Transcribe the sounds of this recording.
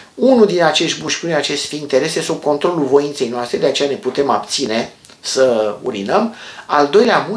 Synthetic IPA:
unuld̪inat͡ʃe̞ʃt̪̚ʲbuʃʲpuneat͡ʃe̞st̪fiːnt̪e̞ɾesjest̪ub̚ko̞nt̪ɾo̞lulvo̞int̪se̞jnoast̪ɾe̞d̪eat͡ʃe̞jane̞put̪e̞mabt̪sine̞ | səṵɾinəmald̪o̞jleamu

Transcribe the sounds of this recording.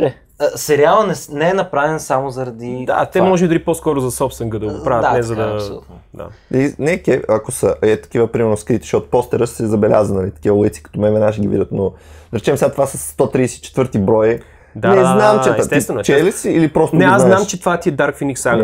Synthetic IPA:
ɛ | əsɛɾialˠnɐnɛsnɛɛnɐpɾavɛnsamozɐɾɐd̪id̪a̰t̪ɛmɔʒɛid̪ɐliposkɔɾʊzɐsɔpst̪əŋɡəd̪ɐɡopɾavət̪d̪anɛzɐd̪ɐɐɐsolṵt̪nod̪a̰inɛkɛɐkosəʔɛt̪ɐ̥kivəpɾimɛɾnoskɾit̪i̥ʃɔt̪ʊ̥pɔst̪ɛɾəssɛzɐbɛlʲa̰zənɐlit̪ɐ̥kʲivəlˠəjt̪si̥kɐ̥t̪omɛvɛnaʃɛɡʲivḭət̪noɾɛt͡ʃɛmsɛɡat̪ovasəsːt̪ɔt̪ɾiːsɛit͡ʃɛt̪vəɾt̪ibɾɔji | d̪anɛznamt͡ʃɛɛst̪ɛst̪vɛnt͡ʃɛlisiilipɾɔst̪onɛaznamt͡ʃɛt̪ovat̪iɛd̪aɾkfiniksaɡ

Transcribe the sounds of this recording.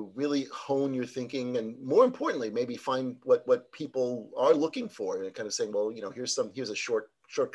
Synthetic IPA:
ɹɪlˠihõʊ̃njə˞θɪ̃ŋkɪ̃ŋɨ̃nmɔɹɨ̃mpʰɔɹʔn̩ʔlimeɪbifãɪ̃ndwʌt̚wʌt̚pʰipl̩ˠə˞lʊkɪ̃ŋfə˞ɨ̃nkʰãɪ̃ndʌvseɪɪ̃ŋwɛlˠjɨñoʊhiɹz̥sʌ̃mhiɹzɨʃɔɹt̚ | ʃɔɹt̚kʰ

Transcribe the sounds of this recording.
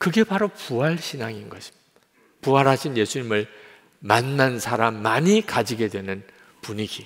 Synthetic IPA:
kɯɡe̞paɾopuaɭɕʰinaŋinɡʌɕʰi̥m | puɦaɾɦaɕʰinje̞sʰuɲimɯɭ | manːansʰaɾamːaɲikad͡ʑiɡe̞dwe̞nɯn | puɲiɡ̥i

